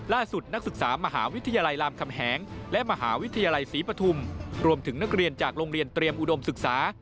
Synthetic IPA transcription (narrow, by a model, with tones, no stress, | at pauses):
laː˥˩su˨˩t̪̚na˦˥k̚sɯ˨˩k̚saː˩˦ma˧ɦa̰ː˩˦wi˦˥t̪ʰa˧jaː˧la˧jlaː˧mkʰa˧mɦɛː˩˦ŋlɛ˦˥ʔma˧ɦa̰ː˩˦wi˦˥t̪ʰːa˧jaː˧la˧jsiː˩˦pɾa˧t̪ʰu˧mɾu˧mt̪ʰɯ˩˦ŋna˦˥k̚ɾi˧ənt͡ɕaː˨˩k̚ɾoː˧ŋɾi˧ənt̪ɾi˧əmʔu˨˩do˧msɯ˨˩k̚saː˩˦